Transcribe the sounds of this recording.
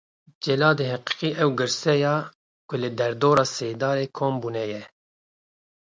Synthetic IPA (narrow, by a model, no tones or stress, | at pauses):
d͡ʒɛlɑːd̪eːɦɛqi̥qiːʔɛwɡɨɾsɛjɑː | kʊlɨd̪ɛɾd̪oːɾɑːseːd̪ɑːɾeːkʰoːmbuːnɛjɛ